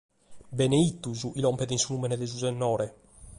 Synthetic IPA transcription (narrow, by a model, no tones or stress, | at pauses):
bɛneit̪ːuzuʔilɔmpɛd̪insunumɛnɛd̪ɛzuzɛnːɔːɾɛ